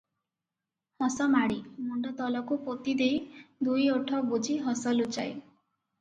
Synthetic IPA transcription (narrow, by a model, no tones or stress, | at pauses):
hɔsɔmaɽimuɳɖɔt̪ɔlɔkupot̪id̪ejd̪ujoʈʰɔbud͡ʒʱiɦɔsɔlut͡ʃa̰j